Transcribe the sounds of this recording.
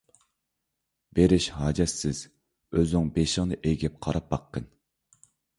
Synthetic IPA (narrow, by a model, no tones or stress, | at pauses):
beɾɪʃhɑːd͡ʒɛsːɪz̥ | øzyŋbeʃɪŋnɨʔejɡʲɛp̚qʰɑɾɑp̚bɑqːən